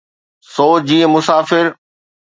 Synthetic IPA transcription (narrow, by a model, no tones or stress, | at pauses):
soːt͡ɕd͡ʑiːə̃mʊsaːfɪɾ